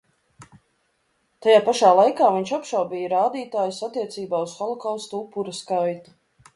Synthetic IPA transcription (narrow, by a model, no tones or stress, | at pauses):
t̪ajaːpaʃaːlˠajkaːviɲʃapʃawbʲijaɾaːd̪iːt̪aːjusat̪ːiɛt̪siːbaːusxɔlˠɔkawst̪upːuɾɐskajt̪u̥